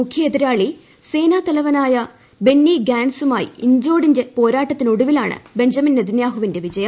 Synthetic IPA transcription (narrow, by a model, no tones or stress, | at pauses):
mukʰjɐed̪iɾaːɭi | se̞ːnaːt̪ɐlɐʋɐnaːjɐ | be̞nːiɡaːnsumaːjḭiɲd͡ʑo̞ːɽind͡ʑepo̞ːɾaːʈːɐt̪ːinuɽuʋilaːɳɨ̰be̞ɲd͡ʑɐminːɐd̪injaːɦuʋinde̞ʋid͡ʑɐjɐmm